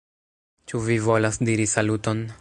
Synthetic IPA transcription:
t͡ʃuvivo̞lasdiɾisaluto̞n

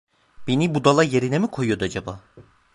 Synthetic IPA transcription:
b̥enibud̪alˠajeɾinemikʰo̞jyjo̞d̪uad͡ʒabaː

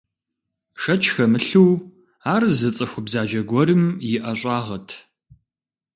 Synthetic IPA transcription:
ʂɐt͡ʃʰʼxɐmɨɬɨw | aːrzɐt͡sʼɨxʷʊbzaːd͡ʒɐɡʷɔɾɨmjɪʔɐɕʷʼaːʁɐtʰ

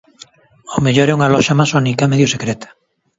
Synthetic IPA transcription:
omeʎoɾɛuŋalɔʃamasɔnikamɛðjosekɾɛt̪ʰḁ

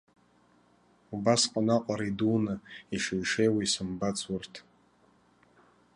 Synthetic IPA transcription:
ubasqʷʼanaqʷʼaɾidunɨiʂejʂejwisɨmbat͡sʰʼʊrtʰ

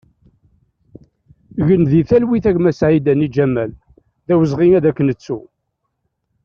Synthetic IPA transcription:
ʝənðiθælwiθæʝmæsʕid̪ænid͡ʒæmːæl | ðæwəzʁiŋæðækːənət͡sːu

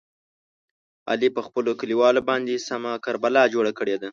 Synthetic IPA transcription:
ɑ̰lipəxpəlokəliwɑlobɑnd̪esamakaɾbalɑd͡ʒoɽakəɽed̪a

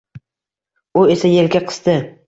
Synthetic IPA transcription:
ʊe̞sajelɡʲaqʰɨ̥z̥t̪ɪ

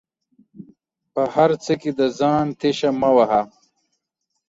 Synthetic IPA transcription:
pɐhɐɾt͡sɐkid̪ɐzaːnt̪ʰeɕamɐwɐɦa

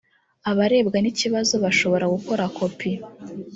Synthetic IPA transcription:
aβaɾe̞ːbɡaniciβazo̞βaʃo̞βo̞ɾaɡuko̞ɾako̞pʰi

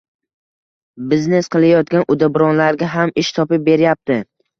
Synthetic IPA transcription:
bɪzne̞sqʰɨlˠajɒt̪̚kʲanʔʊd̪abɪɾɒnlaɾɡʲaɦamɪʃt̪ʰɒpɪp̚be̞ɾɪjap̚t̪ʰɪ

